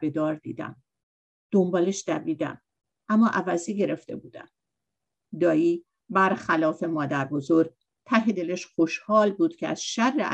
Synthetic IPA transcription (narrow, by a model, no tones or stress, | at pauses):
be̞d̪ɒːɾd̪ḭːd̪æ̰m | d̪̥o̞mbɒːleʃd̪æbiːd̪æ̰m | ʔæmːɒːʔævæziɟe̞ɾe̞ft̪ʰe̞̰buːd̪æ̰m | d̪ɒːiː | bæɾxælɒːfe̞mɒːd̪æɾbo̞zo̞ɾɡ̚ | t̪ʰæɦe̞d̪e̞leʃχoʃhɒːlbuːd̪̥cʰeæ̰z̥ʃærːe